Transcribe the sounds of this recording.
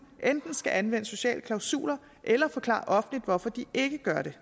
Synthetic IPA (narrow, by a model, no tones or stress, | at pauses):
ʔend̥n̩sɡ̥æʔænʋen̰əso̝ɕɛ̰ːləkʰlɑ̈ʊsṵːlɐ | ʔelɐfɒ̽kʰlɑ̰̈ːʔɒ̽fn̩lid̥ʋɒfɒ̽d̥iʔe̝ɡ̥əɡ̥ɶɐɾ̥e̝